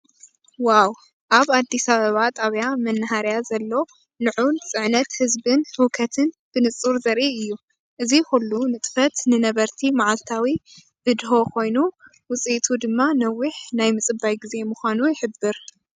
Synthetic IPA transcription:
waw | ʔaβad̪ːisaβɐβat̪ʼaβjamɐnːaɦaɾjazɐlːo̞ | lɨʕunt͡sʼɨʕnɐt̪hɨzbɨnhukʰɐt̪ʰɨn | b̥ɨnɨt͡sʼːuɾzɐɾʔiɨjːu | ʔɨzixulːunɨt̪ʼfɐt̪nɨnɐβɐɾt̪ʰimaʕalt̪ʰawi | b̥ɨd̪ho̞kʰo̞jnu | wʊt͡sʼit̪ʰud̪ɨmːanɐwːɨħnajmɨt͡sʼɨbajɡize̞mʊxʷanujɪħɨbːɨɾ

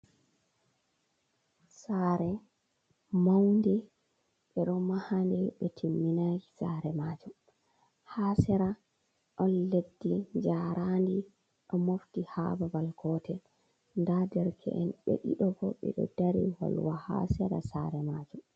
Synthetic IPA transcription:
saɾɛ | mawndɛ | ɓɛɗɔmahandɛɓɛtʰimːinaɡisa̰ɾɛmaːd͡ʒum | haːsɛɾa | ɗɔnledːiɲd͡ʒaɾʔandi | ɗɔmoftiha̰babalkʰɔtʰɛl | ndadɛɾkʰɛ̰ʔɛnɓḛɗḭɗɔɡɔ̰ɓɛ̰ɗɔ̰daɾḭwa̰lwaha̰sɛɾa̰sa̰ɾɛmad͡ʒu

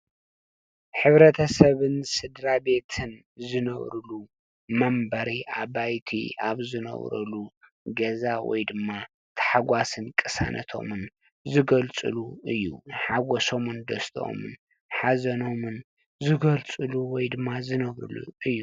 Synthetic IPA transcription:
ħɨβɾɐt̪ʰɐsɐβɨnsɨd̪ɾabe̞t̪ʰɨn | zɨnɐβɾɨlu | mɐmbɐɾiʔaβajt̪ʰḭaβzɨnɐ̰βɾɐ̰lu | ɡɐzawɔ̰jd̪ɨmːa | t̪ʰɐ̥ħaɡʷasɨnkʼɨsa̰nʔɐ̰t̪ʰo̞̰mɨn | zɨɡɐlt͡sʼɨ̰luɨjːṵħaɡɔso̞mɨnd̪ɐst̪ʰʔo̰mɨn | ħazɐno̞mɨn | zɨɡɐlt͡sʼɨluwɔjd̪ɨmːazɨnɐβɾɨ̰lṵɨjːu

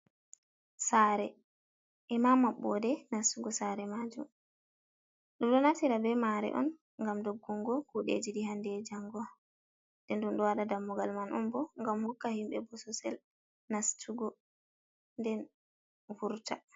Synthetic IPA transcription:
saːɾɛ | ʔɛmamaɓːɔdɛnastuɡɔsaɾɛmad͡ʒṵm | ɗumɗɔnatiɾabɛmaɾɛ̰ʔɔ̰n | ŋɡamdoɡːuŋɡɔkuɗḛd͡ʒiɗiɦandɛd͡ʒaŋɡɔ | ndɛnɗumɗɔwaɗadamːuɡalmanʔɔmbɔŋɡamhɔkːahimɓɛbɔsɔsɛl | nastʰuɡɔ | ndɛn | vuɾta

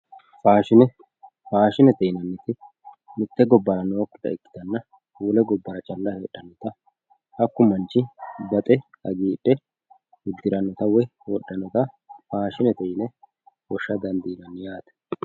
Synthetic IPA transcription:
faːʃɪnɛ | faːʃɪnɛt̪ɛjnɐnːɪt̪ɪ | mʊt̪ːɛɡɔbːɐɾɐnoːkːɪd̪ɐ̰ɪkːɪ̥t̪ɐnːɐ | huːlɛɡɔbːɐɾɐt͡ʃʼɐlːɐheːɗːɐnːɔt̪ɐ | ɐkːʊmɐnt͡ʃːɪbɐt̪ʼɛ | ɐɡiːɗːɛ | wʊd̪ːɪɾɐnːɔt̪ɐwɛwɔ̰ɗːɐnːɔt̪ɐ | faːʃɪnɛt̪ɛjɪnɛ | wɔʃːɐd̪ɐnd̪iːnɐnjaːt̪ɛ̥

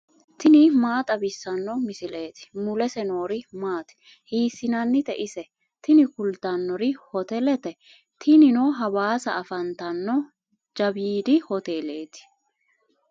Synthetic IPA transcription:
t̪ɪnɪmaːt̪ʼɐbɪsːɐnːɔmɪsɪle̞ːt̪ɪ̥mʊlɛsɛno̞ːɾɪmaːt̪ɛ̥ | hiːsɪnɐnːɪt̪ɛʔɪsɛ | t̪ɪnɪkʊlt̪ɐnːɔɾɪhɔt̪ɛlɛt̪ɛ | t̪ʰɪnɪnoɦɐwaːsɐ̰ʔːfɐnt̪ɐnːɔ | d͡ʒɐbiːd̪ɪhɔt̪e̞ːle̞ːt̪ɪ̥

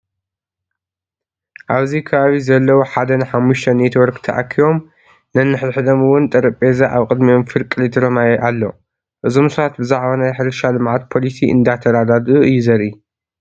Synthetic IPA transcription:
ʔaβzikʰɐβaβizɐlːɐwoħad̪ɐnɨħamːuʃt̪ʰɐmet̪ʰwɔɾkt̪ʰɐʔa̰kʰːiwo̞m | nɐnːɨħɾɨħɨd̪ɐmɨwʊnt̪ʼɐɾɨpʼezaʔaβkʼɨd̪mijo̞mfɨɾkʼɨlit̪ʰɨɾɐmajɛʔalːo̞̰ | ʔɨzo̞msɐβat̪bɨzaʕβanajħɨɾɨʃalɨmʕat̪̚pʰo̞lisiɨ̰nd̪at̪ʰɐɾad̪ad̪uʔɨjːɪzɐɾʔi

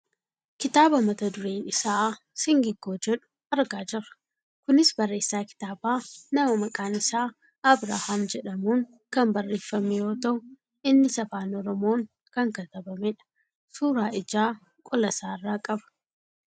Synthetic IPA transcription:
kɪt̪aːbɐmɐt̪ɐd̪ʊɾeːnɪsaː | sɪŋɡɪɡːo̞ːd͡ʒɛᶑʊ̥ | ɐɾɡaːd͡ʒɪrɐ̥ | kʊnɪsbɐrːe̞ːsːaːkɪ̥t̪aːbaːnɐmɐmɐkʼaːnɪsaː | ɐbɾa̰haːmd͡ʒɛᶑɐmuːŋ | kɐmbɐrːe̞ːfːɐmɛjo̞ːt̪ɐʔʊ | ɪnːɪsɐfaːnɔɾɔmo̞ːŋ | kɐŋkɐt̪ɐbɐmɛᶑɐ̥ | suːɾaːɪd͡ʒaː | kʼɔlɐsaːɪrːaːkʼɐbɐ̥

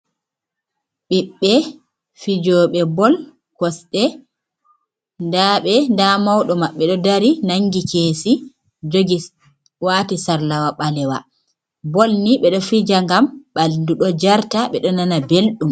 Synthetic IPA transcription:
ɓiɓːɛ | fid͡ʒɔːɓɛbɔl | kɔsɗɛ | ndaɓɛndamawɗɔmaɓːɛɗɔdaɾinaŋɡikeːsi | d͡ʒoɡi | waːtisaɾlawaɓalɛwa̰ | bɔlniɓɛɗɔfid͡ʒaŋɡamɓalduɗɔd͡ʒaɾtaɓɛɗɔnanabelɗum

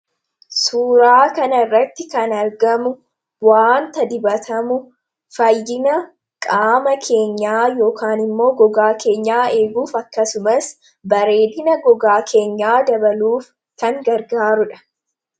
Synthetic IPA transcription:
suːɾaːkɐnɐɪrːɐt̪ːɪkɐnɐɾɡɐmʊ | waːnt̪ɐd̪ɪbɐt̪ɐmʊ | fɐjːɪnɐ | kʼaːmɐkʰe̞ːɲːaːjo̞ːkaːnɪmːo̞ːɡɔɡaːke̞ːɲːaːe̞ːɡuːfɐkːɐsʊmɐs | bɐɾe̞ːd̪ɪnɐɡɔɡaːkʰe̞ːɲːaːd̪ɐbɐluːf | kɐŋɡɐɾɡaːɾʊᶑɐ̥

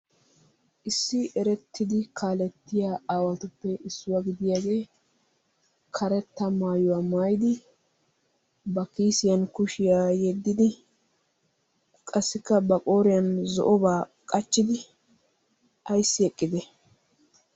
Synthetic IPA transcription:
ʔɪsːɪɛɾɛt̪ːɪd̪ɪkʰaːlɛt̪ːɪjaːaːwɐt̪ʊpːɛʔɪsːʊwaɡɪd̪ɪjaːɡe̞ː | kʰɐɾɛt̪ːɐmaːjʊwaːmaːjd̪ɪ | bɐkiːsɪjɐnkʊʃɪjaːjɛd̪ːɪd̪ɪ | kʼɐsːɪkːɐbɐkʼo̞ːɾɪjɐnzɔ̰ʔɔbaːkʼɐt͡ʃːɪd̪ɪ | ɐjsːɪɛkʼːɪd̪ɛ

